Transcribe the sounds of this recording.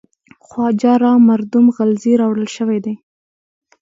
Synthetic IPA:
xwɑd͡ʒɑɾɑmaɾd̪ʊmɣalziɾɑwɽəlʃəwed̪ej

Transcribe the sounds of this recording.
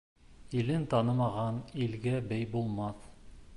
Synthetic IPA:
ilɘnt̪ɑnɤmɑʁɑnilɡæbæjbulˠmɑθ

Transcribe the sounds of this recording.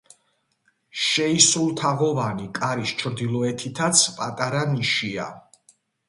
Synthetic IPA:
ʃɛisulˠt̪ʰaʁɔvanikʼaɾist͡ʃʰɾd̪ilˠɔɛt̪ʰit̪ʰat̪sʰpʼat̪ʼaɾaniʃia̰

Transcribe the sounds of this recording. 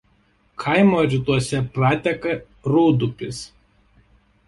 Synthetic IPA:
kʰɐɪmoːɾʲɪt̪uɔsʲɛpɾɑːt̪ʲɛkɐ | ɾuːd̪ʊpʲɪs

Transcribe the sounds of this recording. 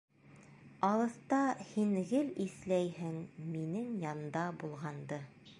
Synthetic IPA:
ɑlˠɤ̆θt̪ɑhinɡɘliθlæjhɘŋminɘŋjɑnd̪ɑbulˠʁɑnd̪ɤ

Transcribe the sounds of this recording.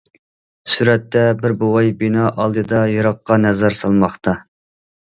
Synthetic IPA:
suɾɛt̪ːɛbɪɾbowɑjbinɑʔɑlˠd̪ɨd̪ɑjɑɾɑqːɑnɛzɛɾsɑlˠmɑχt̪ʰɑ

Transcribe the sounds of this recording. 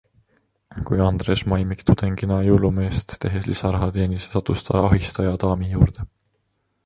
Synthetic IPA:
kujɑnd̪̥ɾe̞ːsmɑjmikt̪ud̪̥eŋɡinɑjulume̞ːst̪ːe̞ɦeslʔḭsɑɾɑɦɑt̪e̞ːnisesɑt̪ːˑust̪ʰɑ̰ɑɦist̪ɑjɑt̪ɑːmijuːɾd̪̥e̞

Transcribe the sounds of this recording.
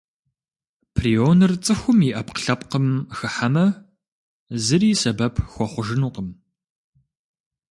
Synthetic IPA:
pʰrionɨrt͡sʼɨxʷʊmiʔɐpqə̥ɬɐpqəmxɨħamɐ | zɨɾiːsɐbɐpʰxʷɔχʷʊʒɨnuːqəm

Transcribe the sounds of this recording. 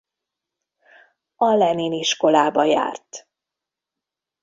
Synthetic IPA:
ɒlɛneːniʃko̞laːbɒja̰ːrt̪

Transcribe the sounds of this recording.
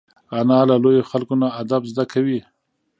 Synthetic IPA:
anɑlalojoxalkonaːd̪abzd̪akawi

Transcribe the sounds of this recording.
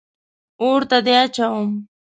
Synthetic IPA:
ʊɾt̪ad̪eat͡ʃawm

